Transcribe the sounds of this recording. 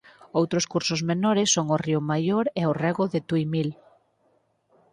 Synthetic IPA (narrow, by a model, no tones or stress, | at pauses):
owt̪ɾʊskuɾsʊzmenɔɾɪsːoŋʊriʊmajoɾɛʊrɛɣʊðɪt̪ujmil